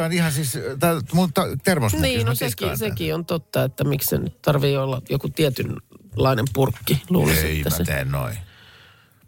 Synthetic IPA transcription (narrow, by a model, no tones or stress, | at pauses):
onihɑsist̪ɑmut̪ːɑt̪ermosmniːnoseskisekiont̪ot̪ːɑet̪ːæmikssḛny̰tt̪ɑrʋiːolːɑjokut̪iæt̪ynlɑinempurkːilṵːlɑsḛtːæset̪ḛːnno̰i